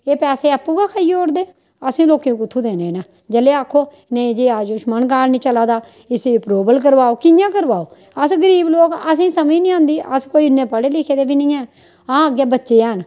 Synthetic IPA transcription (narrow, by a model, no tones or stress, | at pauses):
eːpɛːseːəpːuːɡaːkʰaːiːoːɾd̪eː | əsĩːloːkẽːũkʊt̪ʰːuːd̪eːnẽːnãː | d͡ʒəleːaːkʰːoː | nẽĩd͡ʒeːaːd͡ʒʊʃmənɡaːlnĩːt͡ʃəlaːd̪aː | ɪseːpɾoːbəlk̬əɾʋaːoːkɪjãːkəɾʋaːoː | əsɡəɾiːbloːkəsĩːsəmiːnĩːãːnd̪iːʔə̰skoːiːʊnːẽːpəɽeːlɪkʰeːd̪eːbiːnɪ̃ːɛ̃ː | ãːəɡjeːbətːʃeːaːɦn